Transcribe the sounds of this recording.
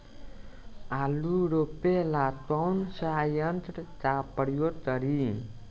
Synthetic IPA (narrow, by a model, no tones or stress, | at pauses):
aluɾopelat̪wawnsəajənt̪ɾt͡ʃapəɽjot̪əɾi